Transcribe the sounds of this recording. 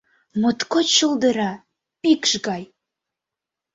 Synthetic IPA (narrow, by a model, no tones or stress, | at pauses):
mut̪kot͡ɕəlˠd̪əɾɑ | pikʃɡɑj